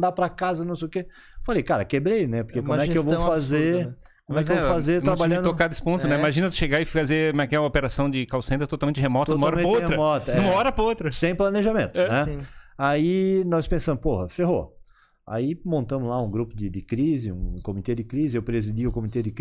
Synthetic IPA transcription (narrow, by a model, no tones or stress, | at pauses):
d̪apɾɐkazɐnɐ̃w̃s̬ejʊke | falejkaɾɐkebɾejnɛpoɾkekõɛkɪewwvowfazeɾ | kõmwɛk̬ewvofazeɾt̪ɾabaʎɐ̃d̪okad̪ɪspõt̪ʊnɛiimaʒĩnɐt̪ʃeɡaɪazemɛɐkɛlɐopeɾasɐ̃w̃d͡ʒɪkawsẽt̪ɐt̪ot̪awmẽnt͡ʃɪhemɔt̪omɐaɔɾɐmẽt͡ʃt͡ʃheɾɐmɔt̪ɐumɐɔɾɐpot̪ɾɐsẽj̃plɐneʒamẽnt̪ʊnɛ̃ainɔspẽsɐ̃mʊpohɐfeɦo̰ | a̰imõnt̪ɐ̃mʊzlaũɡɾupʊd̪ɪd̪ɪkɾizɪṵ̃kõmit̪ed̪ɪkɾizɪewpɾezid̪iʊkõmit̪ed̪ɪk